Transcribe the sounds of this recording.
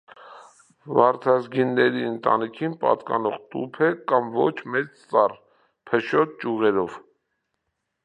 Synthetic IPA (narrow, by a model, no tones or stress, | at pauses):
vɑɾt̪ʰɑzɡinːɛɾiənt̪ɑ̰nikʰinpɑ̰t̪kɑ̰nɔʁt̪ṵpʰɛkɑmvɔt͡ʃʰmɛt͡st͡sɑr | pʰəʃɔt̪̚t͡ʃuʁɛɾɔv